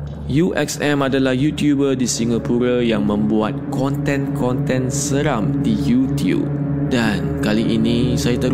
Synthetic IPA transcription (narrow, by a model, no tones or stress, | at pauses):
juʔɛ̰ksɛ̃madəlahjut̪jubədisiŋapuɾajãŋmə̃mbuat̪̚kʰɔ̃nt̪ɛ̃nkʰɔ̃nt̪ɛ̃nsəɾãmdijut̪jṵp̚ | dãnkaliʔinisajat̪əɾ